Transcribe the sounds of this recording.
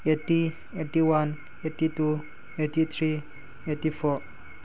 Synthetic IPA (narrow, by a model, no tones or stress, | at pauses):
eti | etiwan | etitu | etit̪ʰɾi | etifɔ